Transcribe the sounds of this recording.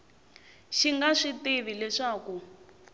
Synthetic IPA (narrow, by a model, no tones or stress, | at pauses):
ʃiŋɡaʂitiβilɛʂaːku